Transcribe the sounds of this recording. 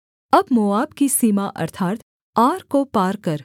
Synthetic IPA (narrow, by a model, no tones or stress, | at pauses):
ɐbmʊaːbkisiːmaʔɐ̰ɾt̪ʰaːt̪ | aːɾkopaːɾkɐɾ